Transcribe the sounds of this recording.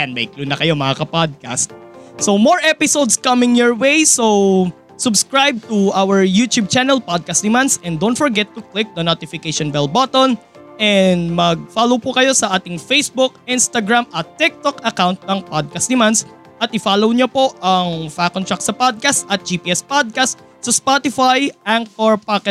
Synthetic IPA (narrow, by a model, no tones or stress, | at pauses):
ɛnbɐjklunɐkɐjo̞mɐŋakɐpad̪̚kast̪̚sowmoɹʔɛpɪsowd̪skɐmɪ̃ŋjɔɹwejsow | sʊbskɹajb̚t̪ʊʔawɛɹjut̪jub̚t͡ʃanɛlpad̪̚kɐst̪nɪmansɛ̃nd̪ownt̪fɔɹɡɛt̪ːʊklɪk̚d̪ɐnot̪ɪfɪkeʃonbɛlbat̪on | ʔɛnd̪mɐɡ̚falowpʊkɐjo̞sɐʔaːt̪ɪŋfejsbʊk̚ʔɪnst̪ɐɡɹamʔɐt̪ːɪk̚t̪ɔkɐkaw̃nt̪̚nɐŋpad̪̚kɐst̪d̪ɪmans | ʔɐt̪̚ʔɪfaːlowɲopo̞ʔɐŋfakɔnt̪ɹak̪̚sɐpad̪̚kɐst̪ɐt̪̚d͡ʒiːpiʔɛspad̪̚kast̪ | sɐspat̪ɪfajʔaŋk̚tɔɹpakɛ